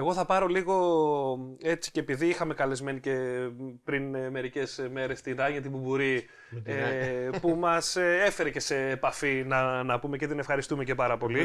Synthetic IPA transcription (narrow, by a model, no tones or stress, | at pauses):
eɣo̞θɐpɐɾo̞liɣo̞ | e̞t͡si̥cepiðiixɐme̞kɐle̞zme̞nice̞pɾinme̞ɾice̞sme̞ɾe̞st̪inɐɲɐt̪̬ibubuɾi | epumɐsee̞fe̞ɾe̞ce̞se̞ːpɐfinɐnɐpume̞ce̞t̪ine̞fxɐɾist̪umece̞pɐɾɐpo̞li